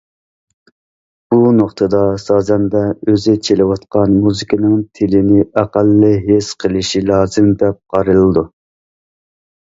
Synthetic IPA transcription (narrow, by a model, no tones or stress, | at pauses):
b̥unoqt̪ʰɨd̪ɑsɑːzɛnd̪ɛøzɪt͡ʃʰelɪwɑt̪qɑnmuzɨkʲʰinɨŋt̪ʰɪlɪnɪʔæqælːɪɦesqʰəlˠɪʃilɑːzɨmd̪ɛp̚qʰɑɾɨlˠɨd̪u